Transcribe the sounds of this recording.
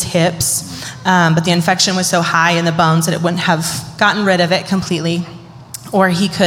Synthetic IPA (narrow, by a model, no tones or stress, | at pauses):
z̥hɪps | bʌt̪̚ðiɨ̃ɱfɛkʃɨ̃nwʌz̥soʊhaɪɨ̃nðɨbõʊ̃nzðɨɾɨ̰t̚wʊdⁿn̩t̚əv̥ɡ̥ɑʔn̩ɹɪɾʌvɪt̚kʰmpʰl̥itˡli | ə˞ikʰɨ